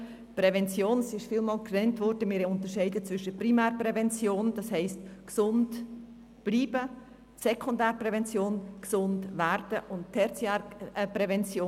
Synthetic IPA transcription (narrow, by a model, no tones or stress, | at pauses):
pɾɛvɛnt͡sjoːnsɪʃfiːlmɑːlkrɛntvʋɔɾdəmɪːɾʊntəʃɛɪdət͡sʋʏʃəprimæːɾpɾɛvɛnt͡sjoːnd̥ɑshɛɪstksʊnd | b̥liːbə | sɛkʰʊndæːɾpɾɛvɛnt͡sjoːnksʊndvæɾd̥əʔʊntʰɛt͡sjaɾpɾɛvɛnt͡sjoː